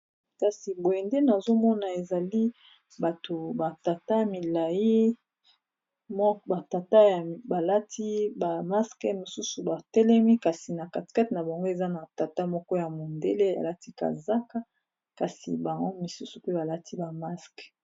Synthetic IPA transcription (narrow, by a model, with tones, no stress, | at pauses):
ka˨si˨bo˨e˨nde˦na˨zo˦mɔ˦na˨e˨za˨li˦ | ba˨to˨ba˨ta˨ta˦mi˨la˨ji˦ | m˦ba˨ta˨ta˦ja˨ba˨la˦tʰi˦ba˨ma˦skɛ˦mo˨su˦su˨ba˨tɛ˦lɛ˦mi˦ka˨si˨na˨ka˨ti̥˨ka˦tna˨ba˨ŋɡo˦e˨za˦na˨ta˨ta˦mɔ˦kɔ˦ja˨mo˨nde˦le˦a̰˨la˦ti˦ka̰˨za˦ka˦ | ka˨sḭ˨ba˨ŋɡo˦mi˨su˦su˨pe˦ba˨la˦tʰi˦ba˨ma˦sk